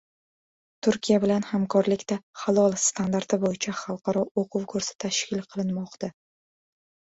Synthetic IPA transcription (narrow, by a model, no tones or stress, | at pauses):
t̪ʰʊɾkʲʰijabɪlanhamkʰɒɾlɪkʲt̪aχalˠɒlˠst̪ʰand̪aɾt̪ɪbojɪt͡ʃʰaχɑlˠqʰɑɾɒoqʰʊwkʰɵɾsɪ̥t̪ʰaʃkʲɪlˠqʰɨlˠɪnmɒqt̪a